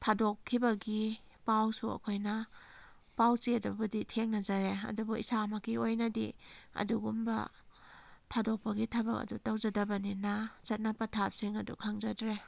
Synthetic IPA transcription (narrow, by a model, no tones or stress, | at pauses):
tʰadokʰːibɐɡi | pawsuɐ̰kʰojnɐ | pawt͡ʃiɐdubuditʰeŋnɐzaɾeɐ̰dubuisamakiojnɐdiɐ̰duɡumbɐ̰ | tʰadok̚pɐɡitʰabɐkɐ̰dutawzɐdɐbɐninazɐt̚nɐpɐtʰap̚siŋɐdṵkʰaŋzadɾe